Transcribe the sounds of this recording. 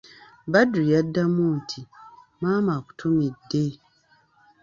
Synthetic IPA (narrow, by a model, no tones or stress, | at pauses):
baduijadːamuntʰimaːmaku̥tʰumidːe